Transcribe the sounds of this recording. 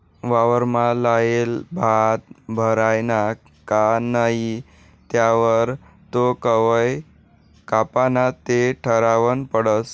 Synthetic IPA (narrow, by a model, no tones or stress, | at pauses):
ʋaʋəɾmalajelbʱat̪̚bʱəɾajna | kanaɦi | t̪jaʋəɾ | t̪okəʋəj | kapanat̪eʈʰəɾaʋənpəɽəs